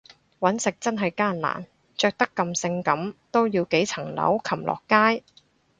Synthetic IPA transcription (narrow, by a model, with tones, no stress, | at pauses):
wɐ˨˥nsɪ˨k̚t͡sɐ˥nɦɐ˨jkaː˥nla̰ː˨˩n | t͡ʃœː˧k̚t̪ɐ˥kːɐ˧msɪ˧ŋkɐ˨˥mt̪o˥wjiː˧wke˨˥jt͡sʰɐ˨˩ŋlɐ̰˨˥wkʰɐ˨˩mlʔɔ̰ː˨kːaː˥j